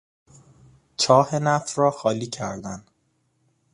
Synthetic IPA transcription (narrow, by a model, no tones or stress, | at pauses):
t͡ʃʰɒːhe̞næfrɒːxɒːliːcʰæɾd̪æn